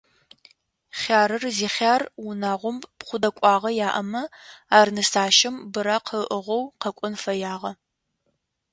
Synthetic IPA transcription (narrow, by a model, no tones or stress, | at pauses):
χʲaːɾɨrziːχʲaːrwʊnaːʁʷʊmpχʷʊdɐkʷʼɑːʁɐjaːʔɐmɐaːrnɨsaːʃɪmbɨɾaqʰəʔəʁʷɔwqɐkʷʼʊnfɐjaːʁɐ